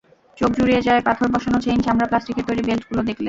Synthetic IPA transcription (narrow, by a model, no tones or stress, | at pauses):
t͡ɕok̚d͡ʑuɾied͡ʑaepat̪ʰoɾbʱɔʃonot͡ɕejnʃamɾaplasʈikeɾt̪ojɾibelʈɡulod̪ekʰlen